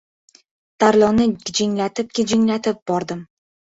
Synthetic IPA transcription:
t̪ʰaɾlˠɒnɪɪd͡ʒɪŋlat̪ʰɪp̚kʲɪd͡ʒɪŋlat̪ʰɪp̚bɒɾd̪ɪm

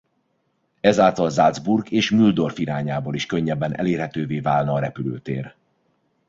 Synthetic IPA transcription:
ɛzaːlt̪ɒlzalzburɡeːʃmyld̪o̞rfiɾaːɲaːboːliʃkøɲːɛbːɛnʔɛ̰leːrhɛt̪øːveːvaːlnɒɒɾɛpylø̰ːt̪ḛːr

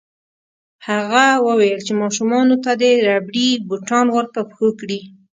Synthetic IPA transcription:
haɣawəwajəlt͡ʃemɑʃumɑnot̪ad̪əɾabɽibuʈɑnwəɾt̪apxokɽi

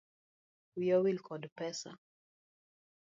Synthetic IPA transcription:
wiɔwilkʰɔdpɛsa̰

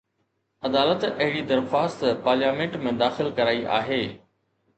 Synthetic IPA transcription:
ɐd̪aːlət̪ɐɦɪɽid̪ɐɾxaːst̪paːɾljaːmẽːɳʈmẽd̪aːxɪlkɐɾaːiʔa̰ːɦeː

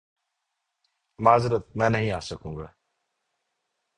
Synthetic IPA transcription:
maːzɾət̪̚mɛ̃ːnəɦĩːaːsəkũːŋɡaː

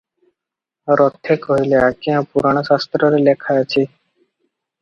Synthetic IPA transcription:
ɾɔt̪ʰːekɔileakiãpuɾaɽ̃ɔʃast̪ɾɔɾelekʰaat͡ɕʰi

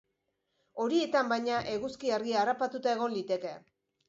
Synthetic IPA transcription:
o̞ɾie̞t̪ambajɲaʔe̞ɣuskiaɾɣiaːrapat̪ut̪ae̞ɣo̞nlit̪e̞ke̞

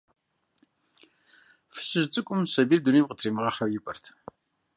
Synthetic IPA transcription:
fɨ̥ɕɪʒt͡sʼɨkʷʼʊmsɐbiːrduniːmqətʰriːmɨʁɐχɐwjɪpʼɐrtʰ

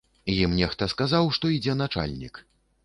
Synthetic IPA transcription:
jimnʲɛxt̪ɐskazawʂt̪ɔid͡zʲɛn̪at͡ʂa̰lʲnʲḭk

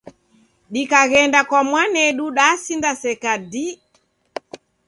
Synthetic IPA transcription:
ɗikaɣɛndakwamwanɛɗuɗasindasɛkadi

